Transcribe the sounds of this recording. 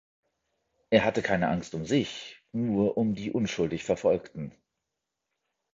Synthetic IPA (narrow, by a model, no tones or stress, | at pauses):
ʔeːɐɦatəkʰaɪnəʔaŋstʊmzɪçnuːɐʔʊmdiːʔʊnʃʊldɪçfɛɐfɔlktn̩